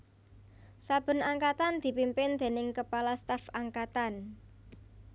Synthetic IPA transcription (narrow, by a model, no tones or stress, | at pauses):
sab̥ə̤naŋkat̪and̪̥i̤pimpɪnd̪̥e̤nɪŋkəpalast̪afaŋkat̪an